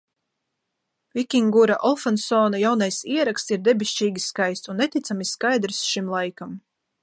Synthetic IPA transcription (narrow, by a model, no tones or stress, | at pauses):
vʲikʲiŋɡuɾaʔɔlˠfansɔːnajawnajsiɛɾakst̪siɾd̪ɛbʲiʃt͡ʃiːɡʲiskajst̪unːɛt̪it̪samiskajd̪ɾsʃimlˠajkam